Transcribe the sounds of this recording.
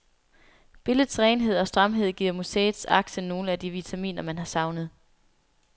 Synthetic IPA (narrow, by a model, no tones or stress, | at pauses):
b̥e̝ləð̩ˠsʁɛːnɦe̝ð̰ˠɒ̽sd̥ʁɑmɦe̝ð̞̰ˠɡ̥ḭɐ̰museːð̩ˠsɑ̈ɡ̥səno̝ːləæd̥iʋit͡sʰæmḭːnɐmænɦɑ̈sɑ̈ʊnəð̞̩ˠ